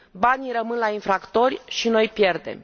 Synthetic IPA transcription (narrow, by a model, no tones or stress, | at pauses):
banijrəmɨnlainfɾakt̪o̞rʲʃino̞jpje̞rd̪e̞̰m